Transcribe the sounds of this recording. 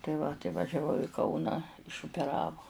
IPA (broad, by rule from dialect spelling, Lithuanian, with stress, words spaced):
tɐɪ ˈʋɐ tɐɪ ʋɐʒʲɛˈʋɐʊ ɪ ˈkɐʊnɑː ɪʃʊpʲɛˈrɑːʋoː